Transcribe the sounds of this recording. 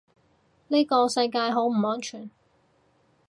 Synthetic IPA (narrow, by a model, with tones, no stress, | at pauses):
niː˥kɔː˧sɐ˧jkaː˧jɦo˨˥wm̩˨˩ɔː˨˥nt͡ʃʰyː˨˩n